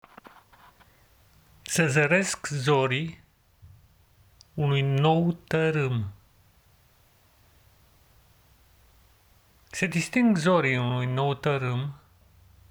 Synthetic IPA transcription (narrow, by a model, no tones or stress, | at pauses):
səzəɾe̞skzoɾi | unujno̞wt̪əɾɨm | sed̪ist̪iŋɡzo̞ɾiunujno̞wt̪əɾɨm